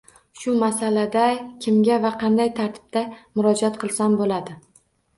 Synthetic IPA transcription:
ʃʊmasalad̪akʲʰɪmɡʲavaqʰɑnd̪ajt̪ʰaɾt̪ʰɪ̥b̥̚t̪amʊɾɒd͡ʒat̪qʰɨlˠsambolad̪ɪ

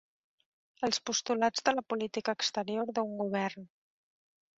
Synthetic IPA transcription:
əlˠspust̪ulad͡zðələpulit̪ikəːkst̪əɾioɾðəuŋɡuβ̞ɛrn

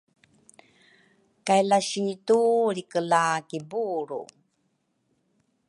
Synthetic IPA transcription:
kajlaɕituɾikəlakibuɾṵ

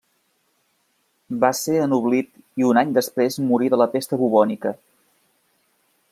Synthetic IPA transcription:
baseənuβlit̪iunaɲd̪əspɾezmuɾiðələfest̪əβuβɔnikə

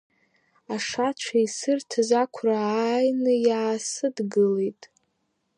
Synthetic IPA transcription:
aʂat͡ʃʷʰaisɨrtʰzakʷʰrajnɨjaːsɨdɡɨlejtʼ

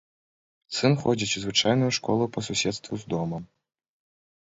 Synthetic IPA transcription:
t̪sɨnxɔd͡zʲit͡sʲuzvɨt͡ʂajnujuʂkɔlˠupɐsusʲɛt̪st̪vuzd̪ɔmɐm

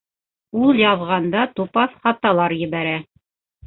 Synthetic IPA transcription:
ulˠjɑðʁɑnd̪ɑt̪upɑθχɑt̪ɑlˠɑɾjɘ̆βæɾæ

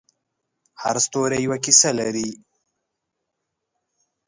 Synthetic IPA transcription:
ha̰ɾst̪oɾejwakisalaɾi

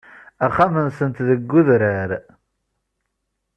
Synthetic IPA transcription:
æχːamənsənt̪ðəɡːʊðɾəɾ

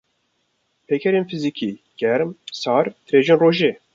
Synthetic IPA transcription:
pʰeːkʰɛɾeːnfɨzikʰiːɡ̥ɛɾmsɑːɾt̪ɾeːʒeːnroːʒeː

